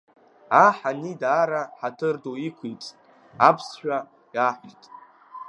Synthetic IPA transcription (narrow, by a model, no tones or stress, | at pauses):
aħanidaːɾaħatʰɨrdoikʷʰit͡sʼ | apʰsʃᶣa | jaħʷtʼ